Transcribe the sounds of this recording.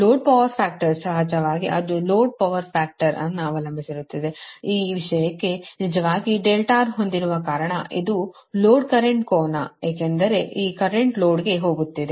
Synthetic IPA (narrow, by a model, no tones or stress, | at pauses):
loːɖ̚pɐʋɐɾpʰaːk̚ʈɐɾsɐɦɐd͡ʒɐʋaːɡiʔɐd̪uloːɖ̚pɐʋɐɾpʰaːk̚ʈɐɾɐ̰nːuɐʋɐlɐmbʱisiɾut̪ːid̪e̞iːʋiʂɐjɐkːenid͡ʒɐʋaːɡiɖelʈaːɾɦond̪iɾuʋɐkaːɾɐɳɐʔid̪u | loːɖkɐɾeɳʈkoːnɐ̰eːkend̪ɐɾe̞ʔiːkɐɾeɳʈloːɖɡe̞ɦo̞ːɡut̪ːid̪e